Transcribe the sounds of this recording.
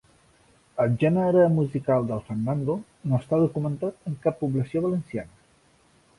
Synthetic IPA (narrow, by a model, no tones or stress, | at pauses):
əlʒɛnəɾəmuzikalˠd̪əlˠfərnːand̪o | noəst̪aðukumənt̪at̪əŋkapːuβləsioβələnsianə